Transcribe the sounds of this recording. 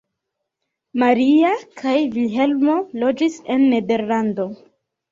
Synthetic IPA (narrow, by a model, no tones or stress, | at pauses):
maɾiakʰajvilɦe̞lmo̞lo̞d͡ʒise̞nːe̞de̞ɾlando̞